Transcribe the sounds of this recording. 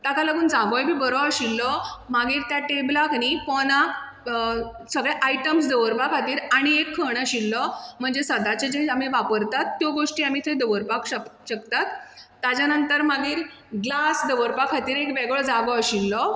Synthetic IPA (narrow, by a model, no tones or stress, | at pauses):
t̪akalaɡuːnd͡zãɡɔjbʱiːbəɾɔaɕilːɔmaɡiːɾt̪jaʈeblaknifɔna | səɡɭɛʔajʈəmsd̪əʋəɾpakʰat̪iːɾaɽ̃iekʰːəɳ̃aɕilːɔm̤əɳd͡zesəd̪at͡ɕed͡ʑeam̤iʋapəɾt̪at̪ːjɔɡoʂʈiːam̤it̪ʰəd̪əʋəɾpakəkɕək̚t̪at̪ː | jad͡ʑjanənt̪əɾmaɡiːɾ | ɡlasd̪əʋəɾpakʰat̪iːɾekbɛɡəɭd͡zãɡɔəɕilːɔ